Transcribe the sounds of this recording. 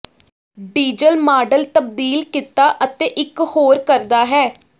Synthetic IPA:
ɖiːd͡ʒəlmaːɖəlt̪əb̚d̪iːlkɪt̪aːʔət̪eːʔɪkhoːɾkəɾd̪aːɦɛː

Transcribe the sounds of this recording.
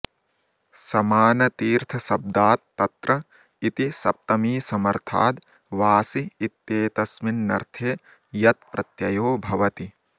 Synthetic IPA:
sɐmaːnɐt̪iːɾt̪ʰɐsɐb̚d̪aːt̪ːɐt̪ɾɐ | it̪isɐp̚t̪ɐmiːsɐmɐɾt̪ʰa̰ːd̪ | ʋaːsiːt̪ːeːt̪ɐsminːɐ̰ɾt̪ʰeː | jɐt̪pɾɐt̪jɐjoːbʱɐʋɐt̪i

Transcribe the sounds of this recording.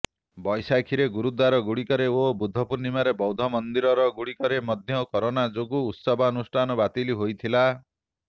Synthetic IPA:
bɔjsakʰiɾeɡuɾud̪waɾɔɡuɽikɔɾeobud̪ʱːɔpuɾnimaɾebɔwd̪ʱɔmɔnd̪iɾɔɾɔɡuɽikɔɾemɔd̪ʱjɔkɔɾonad͡ʒoɡuːt̪sɔbʱaːnusʈʰanɔbat̪iliɦojt̪ʰila

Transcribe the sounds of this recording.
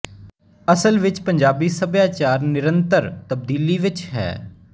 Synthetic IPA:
əsəlʋɪt͡ʃpəɲd͡ʒaːbiːsəbjaːt͡ʃaːɾnɪɾə̃nt̪əɾt̪əb̚d̪iːliːʋɪt͡ʃɦɛ̰ː

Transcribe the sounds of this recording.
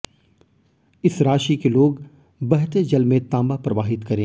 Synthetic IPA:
ɪsɾaːʃikeloːɡ | bɐɦt̪ed͡ʒɐlmẽt̪ãːmbapɾɐʋaːɦɪt̪kɐɾẽː

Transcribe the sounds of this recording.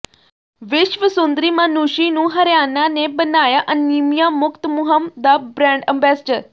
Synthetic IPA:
ʋiɕʋəsund̪ɾiːmanuɕinũːɦɐɾjananebənajaʔənːimjamukt̪muɦəmd̪abɾãɳɖəmbasd͡ʑəɾ

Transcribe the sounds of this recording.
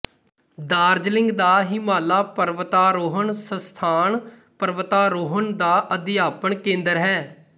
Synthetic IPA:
d̪aːɾd͡ʒlɪ̃ŋɡd̪aːɦiːmaːlaːpəɾʋət̪aːɾoːɦəɳsəst̪ʰaːɳ | pəɾʋət̪aːɾoːɦəɳd̪aːʔəd̪ɪjaːpəɳkẽːnd̪əɾɦɛː

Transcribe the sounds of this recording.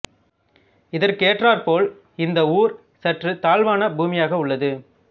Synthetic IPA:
ɪðɐɾkeːʈraːɾpoːl | ɪnd̪ɐuːɾ | sɐʈrɯt̪aːlʋaːnɐbuːmɪjaːɣɐʊɭːɐðɯ

